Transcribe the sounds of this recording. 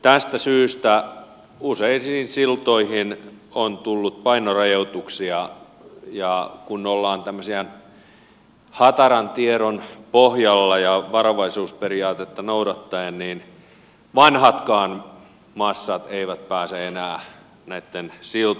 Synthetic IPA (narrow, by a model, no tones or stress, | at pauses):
t̪æst̪æsyːst̪æ | useinsiinsilt̪oihin | ont̪ulːut̪̚pɑinorɑjout̪uksiɑ | jɑkunolːɑːnt̪æmːøsiɑn | hɑt̪ɑɾɑnt̪ieɾonpohjɑlːɑjɑʋɑɾoʋɑisuːsperiɑːt̪et̪ːɑnouɾɑt̪ːɑenniːn | ʋɑnhɑt̪kɑːn | mɑsːɑt̪eiʋæt̪pæːseenæː | næit̪ːensilt̪